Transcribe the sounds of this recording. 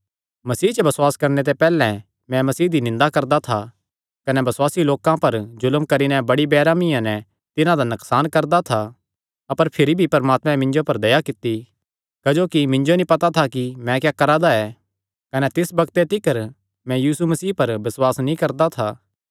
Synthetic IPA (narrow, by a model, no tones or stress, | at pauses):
mɐsiːt͡ʃbɐswaːskɐɾnet̪̬ɛpɛːlɛ̃ | mɛ̃mɐsiːd̪inɪ̃nd̪akɐɾd̪at̪ʰa | kɐnɛbɐswaːsiloːkãpɐɾzʊləmkɐɾinɛbɐɽibɛːɾaːmɪjãnɛ | t̪ɪnãd̪anɐksaːnkɐɾd̪at̪ʰa | ɐpəɾpʰɪɾibʱipɐɾmaːt̪mɛ̃mɪ̃ɲd͡ʒopɐɾd̪ɐjakɪt̪ːi | kd͡ʒoːkimɪ̃ɲd͡ʒonĩpɐt̪at̪ʰakimɛ̃kjaːkɐɾad̪aɛː | kɐnɛt̪ɪsbɐkt̪et̪ɪkəɾ | mɛ̃jiːsumɐsiːpɐɾbɐswaːsnĩkɐɾd̪at̪ʰaː